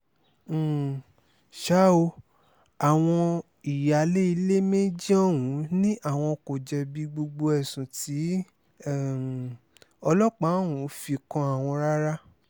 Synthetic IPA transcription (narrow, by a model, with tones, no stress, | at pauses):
ʃa˦o˧ | a˨w̃ɔ̃˧ | i˨ja˨le˦i˧le˦me˦d͡ʒi˦ɔ˦˨wũ˨˦nĩ˦ʔa˦˨w̃ɔ̃˧ko˨d͡ʒɛ˧bi˨˧˦ɡ͡bo˧ɡ͡bo˧ɛ˨sũ˨ti˨˦˨ | ɔ˧lɔ˦k͡pa˨˦wũ˨˦fi˧kɔ̃˧a˨w̃ɔ̃˧ɾa˦ɾa˦